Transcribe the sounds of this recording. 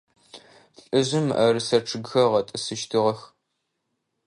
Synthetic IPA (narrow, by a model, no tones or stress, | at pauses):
ɬʼɨʑɪmɐ̰rɨsɐʈ͡ʂʰɨɡxɐʁɐtʼɨsɨʃtʰɨʁɐx